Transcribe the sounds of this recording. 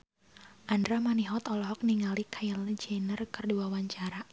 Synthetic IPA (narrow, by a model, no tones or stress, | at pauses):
ʔandɾamaniɦɔt̪ɔlɔɦɔk̚niŋalikʰajaləd͡ʒɛnərkɨrduawaɲt͡ʃaɾa